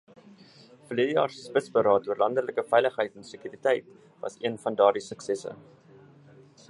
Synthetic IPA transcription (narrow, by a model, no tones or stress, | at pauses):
fəliədəjɑːrsəspətsbəɾɑːt̚duərlɐndələkəfɛjləχɦəjtɛnsəkyɾitɛjt | vɐ̰siənfɐndɑːrdisəksɛsə̰